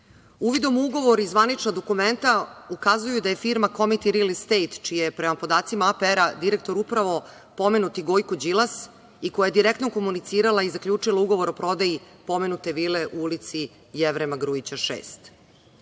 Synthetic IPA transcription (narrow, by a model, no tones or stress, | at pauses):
uʋid̪o̞muɡo̞ʋo̞ɾizʋanit͡ʃnod̪o̞kument̪aukazujud̪aje̞fiɾmakomit̪iɾilist̪ejt̪t͡ʃijejepɾemapo̞d̪aːt̪simaapeɾad̪iɾek̚t̪o̞ɾupɾaʋo̞ | po̞me̞nut̪iɡo̞jkod͡ʑilˠas | iko̞jaje̞d̪iɾek̚t̪noko̞munit̪siːɾalaizakʎʲuːt͡ʂilˠauɡo̞ʋo̞ɾo̞pɾo̞d̪aji | po̞me̞nut̪e̞ʋileʔuulit̪si | jeʋɾemaɡɾuit͡ɕaʃḛːst̪